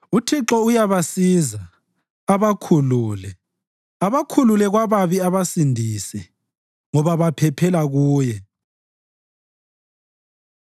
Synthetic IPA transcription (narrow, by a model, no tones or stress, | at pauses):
utʰiǁɔujaβasiza | aβakʰuluːlɛ | aβakʰululɛɣwaβaβiaβasindʱisɛ | ŋɔβaβapʰɛpʰɛlaɣuːjɛ